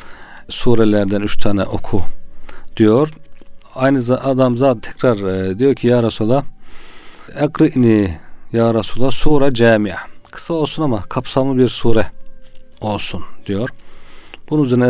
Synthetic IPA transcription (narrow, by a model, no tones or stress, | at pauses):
suːɾɛlʲæɾd̪ænyt͡ʃt̪ʰaːnɛ̰ʔo̞kʰud̪̥ijo̞ɾ | ajnɯzad̪amzaːt̪ʰɛ̥cʰɾaɾd̪ijo̞ɾcʰijaɾasulˠa | ɛɡɾiʔnijaːɾasulˠasuːɾad͡ʒaːmijakʰɯ̥sao̞lˠsunamakʰapsamlˠɯbiɾsuːɾɛ | o̞lˠsund̪̥ijo̞ɾ̥ | b̥ununyzɛɾnɛ